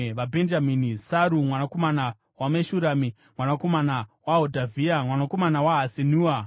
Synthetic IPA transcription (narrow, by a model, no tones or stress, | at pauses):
ʋabʱend͡ʒaminisaɾumwanako̞mana | wameʃuɾami | mwanako̞manawaɦodʱavʱiamwanako̞manawaɦasenuːa